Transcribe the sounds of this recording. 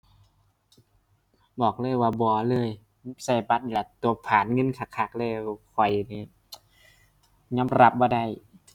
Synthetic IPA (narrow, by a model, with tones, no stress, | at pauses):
bɔː˨˩k̚lɤː˧˩˨jwaː˧˩bɔː˧˦lɤː˧˩˨j | sa˧˩jba˧˥t̪̚ni˧la˧˩t̪u˧ɐpʰaː˨˦nŋɤ˧˥˨nkʰa˧˩kʰa˨˩k̚lɤː˧˩˨jkʰɔ˨˩jniː˧˩ | ɲɔː˧˥˨mɾa˧˩p̚bɔː˧˩da˧˥˩j